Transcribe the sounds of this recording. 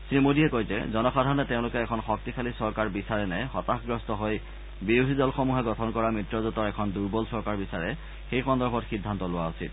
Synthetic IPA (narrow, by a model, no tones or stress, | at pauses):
sɹimodiɛkojzɛ̰zɔnɔxadʱaɹɔnɛteʊ̃lʊkɛːkʰɔnxɔk̚tikʰalisɔɹkaɹbisaɹɛnɛxɔtaxɡɹɔstɔɦoj | biudʱidɔlxomuɦɛɡɔtʰɔnkɔɹamɹitɹɔzutɔɹɛkʰɔnduɹbɔlsɔɹkaɹbisaɹɛ | xejxɔndɔɹbʰʱɔtxidʱːantɔlʊwaosḭl